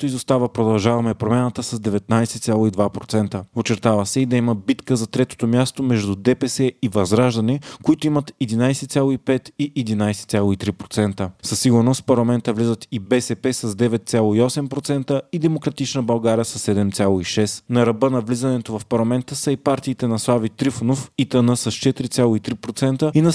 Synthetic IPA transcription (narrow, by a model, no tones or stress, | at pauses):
t̪oizost̪avəpɾod̪ɐlˠʒavɐmɛpɾomʲjanət̪əsɐzd̪ɛvɛt̪̚najsɛt̪sʲjalˠoid̪vapɾot̪sɛnt̪əot͡ʃɛɾt̪avəsɛid̪ɐiməbit̪kəzɐt̪ɾɛt̪o̥t̪omʲjast̪omɛʒd̪ud̪ɛpɛsɛivɐzɾaʒd̪ɐnɛkoit̪oimət̪ɛd̪inajsɛt̪sʲjalˠoipɛt̪iʔɛd̪inajsɛ̥t̪sʲjalˠoit̪ɾipɾot̪sɛnt̪əsɐsːiɡʊɾnost̪pɐɾlˠɐmɛnt̪əvlizət̪ibɛsɛpɛsɐzd̪ɛvɛt̪̚t̪sʲjalˠoiɔsɛmpɾot̪sɛnt̪əid̪ɛmokɾɐt̪it͡ʃnəbɐlˠɡaɾijəsɐsːɛd̪ɛmt̪sʲalˠoiʃɛsnɐɾɐbɤnɐvlizɐnɛt̪ovɐfpɐɾlˠɐmɛnt̪əsəipaɾt̪iːt̪ɛnɐslˠavit̪ɾifonofit̪ənəsɐst͡ʃɛt̪iɾit̪sʲjalˠoit̪ɾipɾot̪sɛnt̪əinɐ